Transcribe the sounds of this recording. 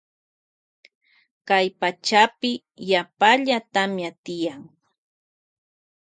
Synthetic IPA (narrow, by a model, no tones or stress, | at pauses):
kajpat͡ʃapɪ | japaʎat̪amjat̪ɪjaŋ